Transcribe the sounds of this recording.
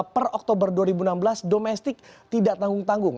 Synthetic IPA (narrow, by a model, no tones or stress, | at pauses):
pərɔk̚t̪obərduaɾibunambəlasdomɛst̪ɪk̚t̪idaʔt̪aŋɡʊŋt̪aŋɡʊŋ